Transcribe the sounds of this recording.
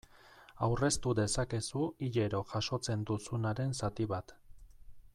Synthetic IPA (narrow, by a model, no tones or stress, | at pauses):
awre̞st̪uðe̞sake̞suiʎe̞ɾo̞ʝaʃo̞t͡se̞nd̪usunaɾe̞nsat̪iβat̪